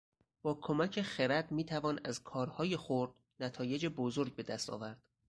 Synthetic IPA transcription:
b̥ɒːkʰo̞mæcʰe̞xeɾæd̪miːt̪ʰævɒːnæzkʰɒːɾhɒːjexoɾd̪̥̚ | næt̪ʰɒːje̞d͡ʒebozoɾɟ̚be̞d̪æst̪ʰɒ̰ːvæɾd̪̥

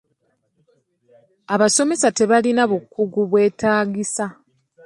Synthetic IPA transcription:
aβaso̞me̞sate̞βalinaβukːuɡuβwe̞ːtaːɡisa

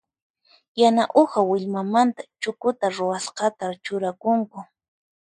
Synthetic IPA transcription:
janaʔohawɪʎmamant̪ḁt͡ʃʊkʊt̪aɾʊwasqɑt̪at͡ʃʊɾakʊŋkʊ

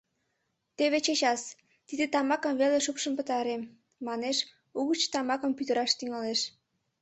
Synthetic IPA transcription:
t̪eβet͡ɕet͡ɕɑs | t̪id̪et̪ɑmɑkə̆mβeleʃupʃə̆mpə̆t̪ɑɾem | mɑneʃ | uɣət͡ɕt̪ɑmɑkə̆mpyt̪əɾɑʃt̪yŋɑleʃ

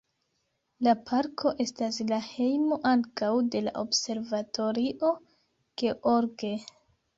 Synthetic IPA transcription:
lapʰaɾkʰo̞ʔe̞staslahe̞jmo̞ʔaŋkawde̞la̰ʔo̞bse̞ɾvatʰo̞ɾiʔo̞ | ɡ̥eʔoɾɡe

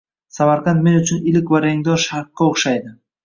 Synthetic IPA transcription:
samaɾqɑnt̪me̞nʊt͡ʃʰʊnɪlɪkʲvaɾeŋd̪ɒɾʃaɾqːɑoχʃajd̪ɪ

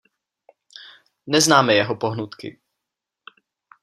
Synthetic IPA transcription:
nɛznaːmɛjɛɦopo̞ɦnut̪kɪ̰

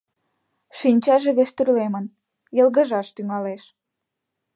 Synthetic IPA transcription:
ʃinʲt͡ɕɑʒeβest̪yrlemən | jəlˠɣəʒɑʃt̪yŋɑleʃ

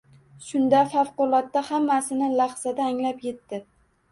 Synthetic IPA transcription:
ʃʊnd̪afafqʊlˠɒt̪ːahamːasɪnɪlaχz̥ad̪aːŋlapje̞t̪ːɪ

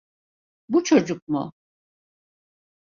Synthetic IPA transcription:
but͡ʃʰo̞d͡ʒuk̚mʊ̰

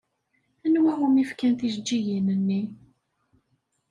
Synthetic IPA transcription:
ænwæhumifkænθiʒd͡ʒːijinənːi

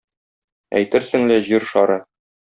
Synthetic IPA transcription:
æ̰jt̪ɘɾsɘ̆ŋlæʑiɾʃɒɾɤ

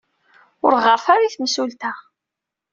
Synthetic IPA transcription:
ʊɾʁəɾˤθaɾaiθmsult̪a

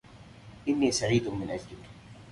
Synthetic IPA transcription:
ʔɪnːiːsaʕiːd̪mɪnʔad͡ʒlɪk

